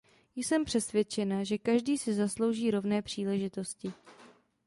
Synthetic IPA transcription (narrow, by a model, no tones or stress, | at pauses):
jsɛmpr̝̥ɛsvjɛt͡ʃɛnaʒɛkaʒdiːsɪzaslo̞wʒiːɾo̞vnɛːpr̝̥iːlɛʒɪt̪o̞scɪ